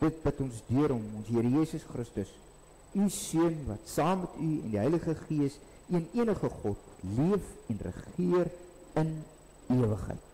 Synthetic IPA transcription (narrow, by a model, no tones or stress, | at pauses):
d̥ət̚bətɔnsdyəɾɦɔmɔnsɦiəɾəjiːsəsχrəstəs | ysyənvɐtsɑːmːɛtʰyɛ̰ndiɦɛjləχəχiəs | iəniənəχəχɔtmutliəfɛnrə̰χiər | ən | iəvəχɦə̰jt̚